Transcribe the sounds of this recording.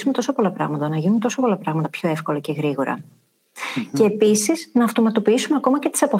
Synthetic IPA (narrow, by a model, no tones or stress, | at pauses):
umet̪o̞sopo̞lɐpɾɐ̰ɣmɐt̪ɐnɐʝinunt̪o̞sopo̞lɐpɾɐɣmɐt̪ɐpço̞e̞fko̞lɐceɣɾiɣo̞ɾɐ̰ | ce̞ːpisiznɐːft̪o̞mɐt̪o̞piisumeɐko̞mɐcet̪i̥sɐpo